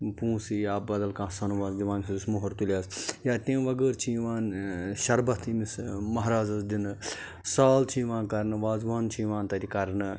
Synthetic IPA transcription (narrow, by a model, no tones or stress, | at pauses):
pũːsijaːbɐd̪ɐlkãːsɐnuʋaːzd̪iʋãːnʲsʰɐzusmoɦɐɾt̪ulʲaːsjaːt̪ẽːʋɐɡəːɾt͡ʃʰĩːʋaːnʃɐɾbɐt̪ʰimismɐɦɾaːzɐsd̪inɨ | saːlt͡ʃʰĩːʋãːkɐɾnɨʋaːzʋaːnt͡ʃʰĩːʋãːnt̪ɐɾikɐɾnɨ